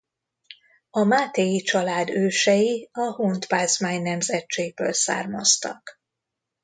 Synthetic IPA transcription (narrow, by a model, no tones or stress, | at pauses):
ɒmaːt̪ɛjit͡ʃɒlaːd̪øːʃɛjiɒhoːnt̪paːzmaːɲnɛmzɛtt͡ʃeːɡ̚bøːlsa̰ːrmɒst̪ɒ̰k